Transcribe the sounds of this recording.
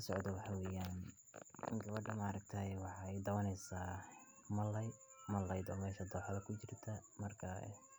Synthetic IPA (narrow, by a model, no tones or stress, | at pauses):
ɐsɔʕd̪ɐwɑħɑwɛːjaːn | ɡɐβɐɖɐmaːɾɐk̚t̪ʰɐwɑħɑɛjd̪ɐwɐnɛjsaː | mɐlːɛj | mɐlːɐjd̪ɔːmɛːʃɐd̪ɔːħɑlɐkʰʊt͡ʃɪrt̪ʰɐmɐrkʰɐɛ̰